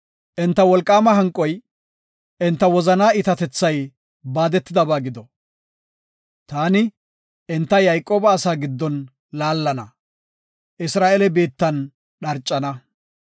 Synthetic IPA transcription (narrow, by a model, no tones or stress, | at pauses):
ʔɛnt̪ːɐwɔlkʼːaːmɐɦɐŋkʼɔj | ɛnt̪ːɐwɔzɐnaːɪt̪ɐt̪ɛt͡sːɐj | baːd̪ɛt̪ːɪd̪ɐbaːɡɪd̪ɔ | t̪aːnɪ | ʔɛnt̪ːɐjɐjkʼːo̞ːbɐːsaːɡɪd̪ːɔn | laːlːɐnɐ̰ | ʔɪsɾaːʔelɛbeːt̪ːɐn | ɗɐɾt͡ʃʼːɐnɐ